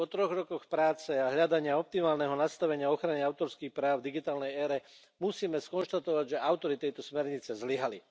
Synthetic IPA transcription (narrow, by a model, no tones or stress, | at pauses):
pɔt̪ɾɔɣɾɔkɔxpɾaːt͡sɛaɦʎad̪aɲɪaɔp̚t̪imaːlnɛɦɔnast̪aʋɛɲɪaɔxɾaɲɛaʊt̪ɔɾskiːxpɾaːd̪iɡit̪aːlnɛjɛːɾɛ | musiːmɛskɔnʃt̪at̪ɔʋaɟʒɛʔaʊt̪ɔɾit̪ɛjt̪ɔsmɛɾɲit͡sɛzliɦali